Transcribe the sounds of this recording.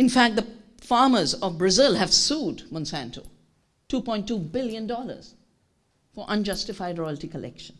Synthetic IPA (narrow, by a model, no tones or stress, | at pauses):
ɪ̃nfæk̚d̪ə | fɑːməzɔʋbɹəzɪlɦæʋsuːɖmɔ̃nsæ̃ntʰo | ʈuːpɔ̃ɪ̃nʈːubɪljə̃nɖɔlə̰z̥ | fɔʔʌ̃nd͡ʒʌstɪfaɪɖɹɔɪlʈikəlʔɛ̰kʃə̃n